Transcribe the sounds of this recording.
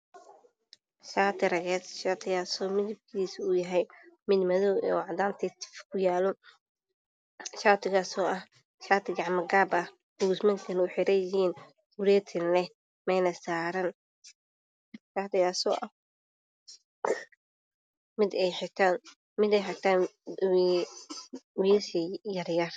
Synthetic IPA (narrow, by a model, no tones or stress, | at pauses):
ʃaːt̪ʰɪɾɐɣɛːsʃaːt̪ʰɪɣaːsɔːmɪd̪ɪb̚kʰiːsʊjɐɦɛjmɪd̪mɐðɔwɔːʕd̪aːnt̪ʰɛt̪ʰɪ̥fkʰʊjaːlɔ | ʃaːt̪ʰɪɣaːsɔːʔɐh | ʃaːt̪ʰɪɡɑʕmɐɡaːbɐh | buːsmɐŋkʰɐnʊħɪɾɛjɪhiːn | wʊɾɛːt̪ʰɪnlɛ | mɛjnɐsaːɾɐn | d̪ɪb̚kaːt̪ɪɣaːsɔːʔɐh | mɪd̪ɛjħɪt̪ʰaːn | mɪd̪ɛjħɪt̪ʰaːn | wɪjɐsɐjɐɾjɐr